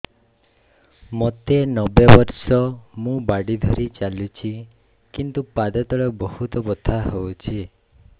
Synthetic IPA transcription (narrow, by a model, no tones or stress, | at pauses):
mɔt̪enɔbebɔɾsɔmũbaɽid̪ʱɔɾit͡ʃalut͡ʃʰi | kint̪upad̪ɔt̪ɔɭɔbɔhut̪ɔbɔt̪ʰaɦowt͡ʃʰi